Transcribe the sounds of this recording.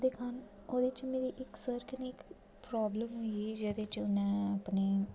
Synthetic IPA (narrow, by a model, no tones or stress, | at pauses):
d̪eːkʰan | oːd̪ɪt͡ʃmeːɾiːʔɪksəɾkɪneɪk | pɾaːbləmɦoiid͡ʒed̪eːt͡ʃʊnɛ̃ːəpneː